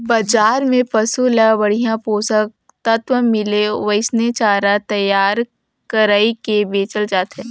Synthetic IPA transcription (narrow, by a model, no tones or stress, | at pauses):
bad͡ʒaːɾmẽpɐsulabɐɽ̤ijãpoːsək̚ | t̪ɐt̪ʋəmɪleʋəɪsnet͡ʃaːɾat̪ɐjaːɾ | kəɾaːikebeːt͡ʃəld͡ʒaːt̪ɦɛ̃ː